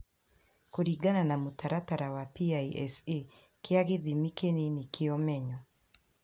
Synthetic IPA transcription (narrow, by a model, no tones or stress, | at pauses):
koɾiɡananamutaɾataɾawapiaiɛ̰se | kɪaɣeðimikenenikɪɔmɛɲɔ